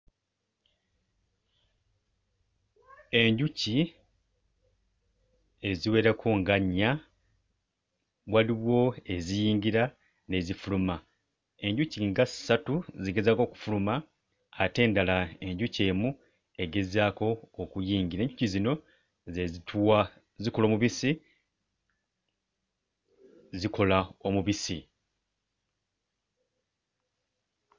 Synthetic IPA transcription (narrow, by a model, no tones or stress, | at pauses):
e̞ɲɟuci | e̞ziwe̞ːɾakʰuŋɡaɲːa | waliβwo̞e̞zijiːɲɡiɾa | ne̞zifuluma | e̞ɲɟuciŋɡasːatuziɡe̞zaːko̞ːku̥fulumaː | te̞ːndalae̞ɲɟuce̞ːmu | e̞ɡe̞zaːko̞ːkujiːŋɡiɾae̞ɲɟucizino̞ | zezitʰua | ziko̞lo̞ːmuβisi | ziko̞laomuβisi